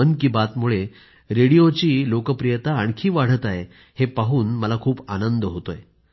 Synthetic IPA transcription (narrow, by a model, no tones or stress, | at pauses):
ənkiːbat̪muɭe | ɾeɽijot͡ɕiːlokəpɾijət̪aːɳkʰiːʋaɽ̤ət̪aɦe | hepaɦuːnməlakʰuːpanənd̪əɦot̪oj